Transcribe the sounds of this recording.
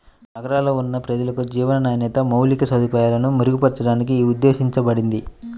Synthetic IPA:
nɐɡɐɾaːlo̞ːunːɐpɾɐd͡ʒɐlɐkud͡ʒiːʋɐnɐnaːjɐnɛːt̪ɐmɐwlikɐsɐd̪ʱupɐːjaːlɐnumuɾuɡupɐɽit͡ʃɐɽaːnik̬iud̪ːeːʃiɲt͡ʃɐbɐɽind̪i

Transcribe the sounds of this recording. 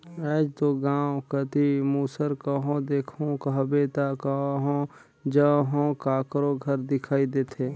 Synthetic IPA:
ɛːd͡ʒt̪oɡãːwkət̪imuːsəɾkəɦõd̪eːkʰõkəɦbeːt̪akəɦõ | d͡ʒəɦõːkaːkɾoɡʱəɾd̪ɪkʰaːid̪eːt̪ʰeː

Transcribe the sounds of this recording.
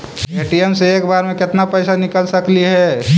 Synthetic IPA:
eːʈiemseeːkbaːɾmẽkɪt̪napɛɪsanɪkəlsəkliɦɛ

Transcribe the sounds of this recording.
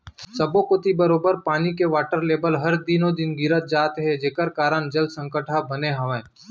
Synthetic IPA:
sɐbokʊt̪ibəɾoːbəɾpaːnikeʋaːʈəɾleːbəlɦɐɾd̪ɪnõd̪ɪnɡɪɾət̪̚d͡ʒaːt̪ɦɛd͡ʒeːkəɾkaːɾənd͡ʒɐld̪sə̃ŋkəʈʰabɐneɦɐʋẽː

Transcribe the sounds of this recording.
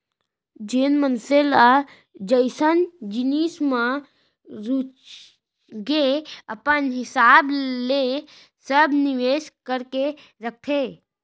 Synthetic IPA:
d͡ʒenmənsela | d͡ʒəɪsənd͡ʒinismã | ɾut͡ʃ | ɡeəpənɦɪsable | səbniʋeskəɾkeɾəkʰe

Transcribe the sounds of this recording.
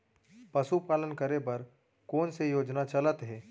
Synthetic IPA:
pɐsupaːlənkəɾepɐɾ | koːnsejoːd͡ʒnat͡ʃɐlət̪ɦɛː

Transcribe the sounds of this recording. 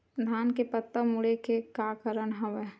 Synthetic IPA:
d̪ʱaːnkepət̪ːəmuɽekekaːkəɾəɳɦɐʋɛ

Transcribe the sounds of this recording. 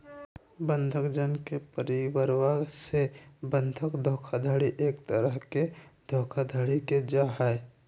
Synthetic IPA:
bə̃nd̪ʱəkd͡ʒənkepəɾiwəɾwaɡsebə̃nd̪ʱəkd̪ʱoːkʰad̪ʱaːɽiʔeːkt̪əɾəɦked̪ʱoːkʰad̪ʱaɽiked͡ʒaːɦae

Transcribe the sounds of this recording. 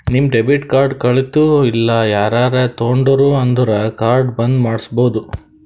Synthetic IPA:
nimɖebiʈkaːɾɖkɐɭit̪uilːɐjaːɾaːɾet̪oːɳɖɐɾuɐnd̪uɾɐkaːɾɖbɐnd̪maːɽisboːd̪u

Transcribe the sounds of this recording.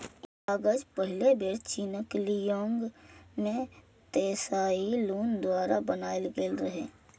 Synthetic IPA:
aːɡəd͡ʒpəɦɪlebeːɾt͡ʃiːnəklijõːŋɡne | t̪eːsaːiluːnd̪waːɾabənaːɪlɡeːlɾəɦẽː

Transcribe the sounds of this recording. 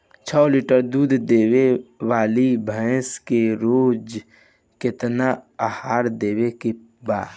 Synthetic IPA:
t͡ʃʰɔliʈəɾd̪uːd̪ʱd̪eːwewaːlibʱə̃ɪskeɾoːd͡ʒ | kɪt̪naahaːɾd̪eːweke | ba̰ːd̪

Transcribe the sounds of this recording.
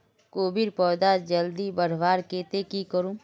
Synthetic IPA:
koːbɪɾpɔːd̪ad͡ʒəld̪ibəɾʋaːɾkeːt̪ekikəɾũ

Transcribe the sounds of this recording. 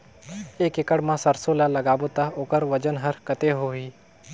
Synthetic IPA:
eːkɪkəɽmãsəɾsoːlalɐɡaːbot̪aoːkəɾʋəd͡ʒənɦəɾkət̪eɦoːɦiː

